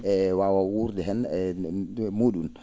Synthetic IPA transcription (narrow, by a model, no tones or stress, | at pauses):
ɛwawawuɾdɛɦɛnɛ | muɗun